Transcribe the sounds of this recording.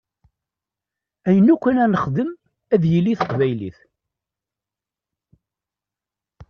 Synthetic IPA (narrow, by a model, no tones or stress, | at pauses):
æjənukʷːənænəχðəm | æðjəlːiθə̥qvæjlḭθ